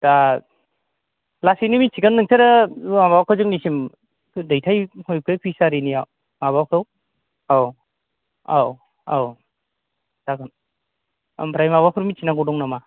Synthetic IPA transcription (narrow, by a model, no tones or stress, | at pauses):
ta | lasinimit͡ʃʰiɡanːɯŋsʰaɾamabawkʰawzɯŋnisimʰ | dajtʰajhoj̚kʰɯjpʰisaɾiniaw | maβawkʰaw | aw | aw | aw | taɡɯn | a̰mpʰɾajmaβapʰɯɾmit͡ʃʰinaɡɔdɔŋnama